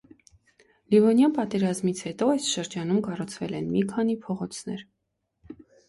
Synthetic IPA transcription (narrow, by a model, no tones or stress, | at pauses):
libɔnjɑnpɑt̪ɛɾɑzmit͡sʰhɛt̪ɔɑjsʃəɾd͡ʒɑn̪umkɑrut͡sʰvɛlɛnmikʰɑn̪ipʰɔʁɔt͡sʰnɛ̰ɾ